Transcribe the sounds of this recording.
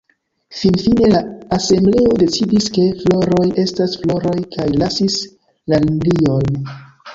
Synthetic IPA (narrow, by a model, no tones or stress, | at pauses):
finfine̞laase̞mble̞o̞de̞t͡sidiske̞flo̞ɾo̞je̞stasflo̞ɾo̞jkʰajlasis | lalinlio̞n